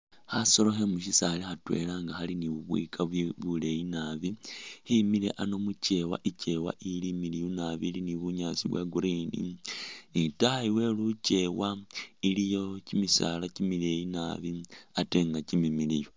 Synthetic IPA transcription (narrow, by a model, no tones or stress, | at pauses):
haso̞lo̞xe̞muʃisalexatwe̞̰laːŋɡaxaliniβuβwḭkʰaββule̞jinaβihimilḛʔano̞mut͡ʃe̞wa̰ʔice̞wa̰ʔilimilijunaβiliniβuɲaːsiβwa̰ɡuɾinḭ | itaaiwe̞lut͡ʃe̞wailijo̞cimisa̰lacimilejinaβiate̞ːŋɡacimimilijo